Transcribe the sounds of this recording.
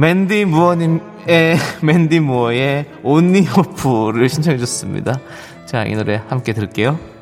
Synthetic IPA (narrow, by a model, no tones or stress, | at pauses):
me̞ndimuʌɲim | e̞me̞ndimuʌe̞onːiɦopʰuɾɯɭɕʰint͡ɕʰʌŋɦed͡ʑʌs͈ɯmɲḭda | t͡ɕaḭnɯɾe̞hamk͈e̞tɯɭk͈e̞jo